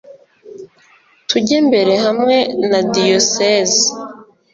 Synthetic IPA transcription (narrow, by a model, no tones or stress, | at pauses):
tʰuɟembe̞ɾe̞ɦamŋe̞nadijosezi